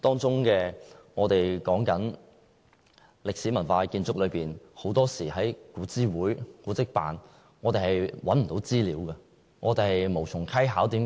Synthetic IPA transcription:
t̪ɔː˥ŋt͡sʊ˥ŋkɛː˧ŋɔː˨˧t̪e˨jkɔː˨˥ŋkɐ˨˥n | lɪ˨k̚siː˨˥mɐ˨˩nfaː˧kiː˧nt͡sʊ˥k̚lɵ˨˧piː˨nho˨˥wt̪ɔː˥siː˨˩hɐ˨˥jkuː˨˥t͡siː˥wuː˨˥jkuː˨˥t͡sɪ˥k̚pa̰ː˨n | ŋɔː˨˧t̪e˨jhɐ˨jwɐ˨˥nm̩˨˩t̪o˨˧˥wt͡siː˥liː˨˥wkɐ˧ | ŋʔɔː˨˧t̪e˨˧hɐ˨jmo˨˩wt͡sʰʊ˨˩ŋkʰɐ˥jɦaː˨˥wt̪iː˨˧˥

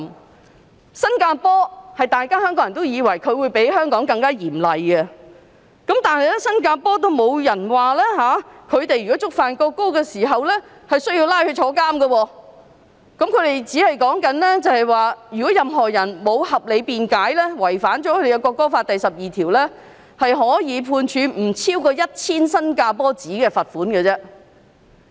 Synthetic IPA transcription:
sɐ˥nkaː˧pɔː˥hɐ˨jt̪aː˨jkaː˥hœː˥ŋkɔː˨˥ŋjɐ˨nt̪o˥wjiː˨˧wɐ˨˩jkʰɵ˨˧ɥwuː˨˧jpe˨˥jɦœː˥ŋkɔː˨˥ŋkɐ˧ŋkaː˥jiː˨˩mlɐ˨jɡɐ˧ | kɐ˨˥mt̪aː˨nhɐ˨jlɛ˥sɐ˥nkaː˧pɔː˥t̪̬o˥wmo˨˧wjɐ˨˩nwaː˨˩lɛː˥ɦaː˨˥kʰɵ˨˧ɥt̪e˨jɥyː˨˩kɔ˨˦˥t͡sʊ˥k̚faː˨nkɔː˧kːo˥kɛː˧siː˨˩ɦɐ˨wlɛː˥ | hɐ˨jsɵ˥ɥjiː˧wlaː˥jhɵ˧t͡ʃʰɔː˨˥kaː˥mɡɐ˧wɔː˧ | kɐ˨˥mkʰɵ˨˧ɥt̪e˨jt͡siː˨˥hɐ˨jkɔː˨˥ŋkɐ˨˥nlɛ˥t͡sɐ˨˧hɐ˨jwaː˨jy˨˩kɔ˨˥jɐ˨mɦɔː˨˩jɐ˨˩nmo˨˧whɐ˨p̚le˨˧jpiː˨nkaː˨˥jlɛː˥wɐ˨˩jfaː˨˥nt͡ʃɔ˨˥kʰɵ˧˥te˨jɛ˧kɔː˧kːɔː˥faː˧t̚t̪ɐ˨jsɐ˨p̚jiː˨˩t̪ʰiː˨˩wlɛ˥ | hɐ˨jɦɔː˨˥jiː˨˧pʰuː˧nt͡ʃʰyː˨˧m̩˨˩t͡sʰiː˥wkɔː˧jɐ˥t̚t͡sʰiː˥nsɐ˥nkaː˧pɔː˥t͡siː˨˥kɛː˧fɐ˨t̚fuː˨˥nkɛ˧t͡sɛː˥

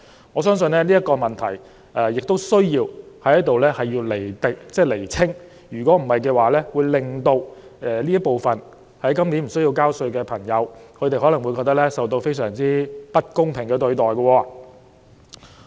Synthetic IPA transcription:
ŋɔː˨˧s̬œː˥ŋsɵ˧nlɛː˥liː˥ɐ˥t̚kɔː˧mɐ˨nt̪ʰɐ̰˨˩j | ʔɛ˨˧jɪ˨k̚t̪o˥wsɵ˥ɥjiː˧whɐ˨˥jɐ˥t̪o˨wlɛː˥hɐ˨jjiː˧le˨˩jt̪e˨k̚t͡sɛː˥˩le˨˩jt͡sʰɪ˥ŋ | jyː˨˩kʷɔː˨˥m̩˨˩hɐ˨jkɛː˧waː˨lɛː˥wuː˨˧jlɪ˨˩ŋt̪o˧wɛː˨˧liː˥jɐ˥t̚po˨wfɐ˨n | hɐ˨˥jkɐ˥mniː˨˥nm̩˨˩s̬ɵ˥ɥji˧wkaː˥wsɵ˧ɥkɛː˧pʰɐ˨˩ŋjɐ˨˧wkʰɵ˨˧t̪e˨jɦɔː˨˥lɐ˨˩ŋwu˨˧kɔː˧k̚t̪ɐ˥k̚lɛː˥sɐ˨wt̪o˧wfe˥jsœː˨˩ŋt͡siː˥pɐ˥t̚kʊ˥ŋpʰɪ˨˩ŋkɛː˧t̪ɵ˧ɥt̪ɔː˨˩jkɐ˧wɔː˧

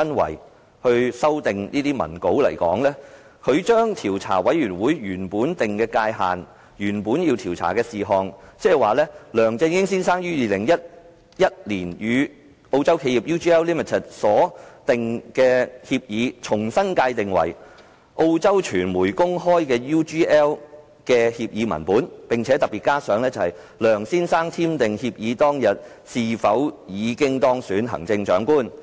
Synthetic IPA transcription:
ɐ˥nwɐ̰˨˩j | hɵ˧ɥsɐ˥wt̪ɪ˨ŋniː˥t̪iː˥mɐ̰˨˩nko˨˥wlɐ̰˨˩jkɔ̰ː˨˥ŋlɛː˥ | kʰɵ˨˧ɥt͡ʃœː˥ŋt̪ʰiː˨˩wt͡sʰa̰ː˨˩wɐ˨˥jɥyː˨˩nwuː˨˥jɥyː˨˩npuː˨˥nt̪ɪ˨ŋkɛː˧kaː˧jɦa̰ː˨n | jyː˨˩npuː˨˥njiː˧wt̪ʰiː˨˩wt͡sʰa̰ː˨˩kɛː˧siː˨ɦɔː˨˧ŋt͡sɛː˥˨jwaː˨lɛː˥lœː˨˩ŋt͡sɪ˧nkɪ˥ŋsiː˥nsaː˥ŋjyː˥jiː˨˧lɪ˨˩ŋjɐ˥t̚ | jɐ˥t̚liː˨˩njyː˨˧ | ʔo˧wt͡sɐ˥wkʰe˧ji˨p̚juː˥t͡ʃi˥ɛː˥wliː˥mɪ˨˩t̪ʰɪ˨˩t̚sɔː˨˥t̪ɪ˨ŋkɛː˧hiː˧p̚jiː˨˧t͡ʃʰʊ˨˩ŋsɐ˥nkaː˧jt̪ɪ˨ŋwɐ̰˨˩j | ʔo˧wt͡sɐ˥wt͡ʃʰyː˨˩nmuː˨˩jkʊ˥ŋɦɔː˥jkɛː˧juː˥t͡ʃiː˥ʔɛː˥w | kɛː˧hiː˧p̚jiː˨˧mɐ̰˨˩npuː˨˥npɪ˨ŋt͡sʰɛː˨˥t̪ɐ˨k̚pi˨t̚kaː˥sœː˨˥ŋlɛː˥t͡sɐ˧hɐ˨j | lœː˨˩ŋsiː˥nsaː˥ŋt̪ʰiː˥mt̪ɪ˨ŋhiː˧p̚jiː˨˧t̪ɔː˥ŋjɐ˨t̚ | siː˨fɐ˨˥wjiː˨˧kɪ˥ŋt̪ɔː˥ŋsyː˨˥nɦɐ̰˨˩ŋt͡sɪ˧ŋt͡ʃœː˨˥ŋkuː˥n

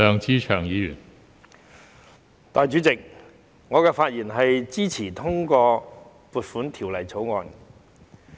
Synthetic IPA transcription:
œː˨˧ŋt͡siː˥t͡ʃʰœː˨˩ŋjiː˨˧jy̰˨˩n | t̪aː˨˧jt͡ʃyː˨˥t͡sɪ˨k̚ | ŋɔː˨˧kɛː˧faː˧t̚jiː˨˩nɦɐ˨jt͡siː˥t͡sʰiː˨˩t̪ʰʊ˥ŋkɔː˧ | puː˨t̚fuː˨˥nt̪ʰi˨˩wlɐ˨˩jt͡sʰo˨˥wŋɔː˨˧n

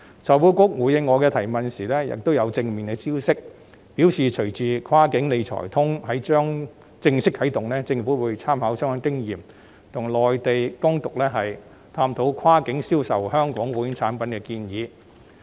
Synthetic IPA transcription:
t͡sʰɔː˨˩wuː˨˥kʊ˥k̚wuː˨˧˩jɪ˨˧ŋːɔː˨˧kɛː˧t̪ʰɐ˨˩jmɐ˨nsiː˨˩lɛː˥jɪ̰˨k̚t̪o˥wjɐ˨˧wt͡sɪ˧ŋmi˨˩nɡɛ˧siː˥wsɪ˥k̚ | piː˨˥wsiː˨t͡ʃʰɵ˨˩ɥt͡siː˨kʰwaː˥kɪ˨˥ŋne˨˧jt͡ʃʰɔ̰˨˩jt̪ʰʊ˥ŋɦɐ˨˥jt͡ʃœː˥ŋ | t͡sɪ˧ŋsɪ˥k̚hɐ˨˥jt̪ʊ˨ŋlɛː˥t͡sɪ˧ŋfu˨˥wuː˨˧˥jt͡sʰaː˥mhaː˨˥wsœː˥ŋɔː˨˥ŋkɪ˥ŋjiː˨˩m | t̪ʰʊ˨˩ŋlɔː˨jt̪e˨jkʊ˥ŋt̪ʊ˨k̚lɛː˥ɦɐ˨j | t̪ʰaː˧˥mt̪ʰo˨˥wkʰwaː˥kɪ˨˥ŋsiː˥wsɐ̰˨˩whœː˥ŋkɔː˨˥ŋwuː˨˥jɪ˧˥ŋt͡sʰaː˨˥npɐ˨˥nkɛː˧kiː˧njiː˨˧

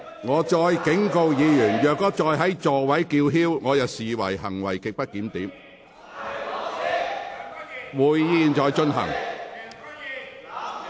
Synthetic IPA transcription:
ŋɔː˨˧˥t͡ʃɔː˧jkɪ˨˥ŋko˧wjiː˨˧jyː˨˩njœː˨k̚kɔː˥t͡ʃɔː˧jɦɐ˨˥jt͡sɔː˨wɐ˨˥jkiː˧wɦiː˥wŋɔː˨˧jɐ˨wsiː˨wɐ̰˨˩jhɐ̰˨˩ŋwɐ̰˨˩jkɪ˨k̚pɐ˥t̚kiː˨˥mt̪iː˨˥m | wuː˨jːiː˧nt͡ʃɔː˧jt͡ʃɵ˧nɦɐ̰˨˩ŋ

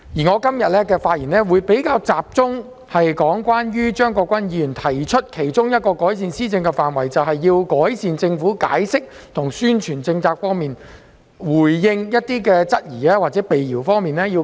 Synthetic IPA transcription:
jiː˨˩ŋɔː˨˧kɐ˥mjɐ˨t̚lɛ˥kɛː˧faː˧t̚jiː˨˩nɛː˥wuː˨˧jpe˨˥jkaː˧wt͡saː˨p̚t͡sʊ˥ŋ | hɐ˨jkɔː˨˥ŋkʷwaː˥nɥyː˥t͡ʃœː˥ŋkɔː˧kʷɐ˥njiː˨˧jyː˨˩nt̪ʰɐ˨˩jt͡ʃʰɵ˥t̚kʰe˨˩jt͡ʃʊ˥ŋjɐ˥t̚kɔː˧kɔː˨˥jsiː˨nsiː˥t͡sɪ˧ŋkɛ˧faː˨nwɐ˨˩jt͡sɐ˨wɦɐ˨jːiː˧wkɔː˨˥jsiː˨nt͡sɪ˧ŋfuː˨˥ka̰ː˨˥jsɪ˥k̚t̪ʰʊ˨˩ŋsyː˥nt͡ʃʰyː˨˩nt͡sɪ˧ŋt͡saː˧k̚fɔː˥ŋmiː˨n | wuː˨˩jːɪ˧ŋjɐ˥t̚t̪iː˥kɛː˧t͡sɐ˥t̚jiː˨˩ɛː˥waː˨t̚t͡sɛː˨˥pe˨jjiː˨˩wfɔː˥ŋmiː˨nɛː˥ji˧w

